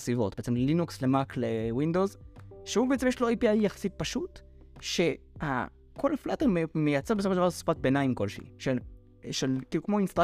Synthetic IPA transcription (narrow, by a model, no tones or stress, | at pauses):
sivo̞̰t̪̚beet͡semlelinukslemaklewind̪ozʃeubeet͡semjeʃloejpiajːaχḁsit̚paʃut | ʃe̞ | ha̰ | kʰo̞lflat̪eʁmejat͡sebesofoʃd̪vaʁsspat̪̚benaimko̞lʃḭʃel | ʃelkiːlukmo̞inst̪ʁ